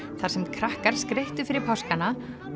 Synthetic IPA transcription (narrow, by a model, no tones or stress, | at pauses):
θḁsɛmkʰɾahkaɾ̥skɾejht̪ʏfɪɾɪɾpʰɔskana